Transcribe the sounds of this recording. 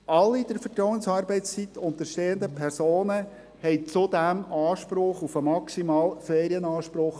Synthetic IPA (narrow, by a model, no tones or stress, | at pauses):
ʔɑlːid̥̪əɾfətɾɔwənsɑːɾbɛɪt͡st͡sit̪ʊnt̪əɾʃteːənd̪əpʰɛrsoːnə | hɛɪt͡sʊd̪æmɑːʃpɾʊχufəmɑksimɑːlfeːɾiənɑːʃpɾʊχ